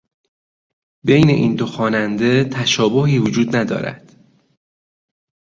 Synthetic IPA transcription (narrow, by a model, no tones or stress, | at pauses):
be̞jne̞ʔiːnd̪oxɒːnænd̪e̞t̪ʰæʃɒːboɦiːvod͡ʒuːd̪næd̪ɒ̰ːɾæ̰d̪̥